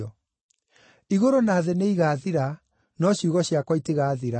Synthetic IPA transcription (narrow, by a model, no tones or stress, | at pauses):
ɔ | iɣoɾonaːðeneiɣaːðiɾa | nɔɕjuɣɔɕjakwɔiteɣaːðiɾa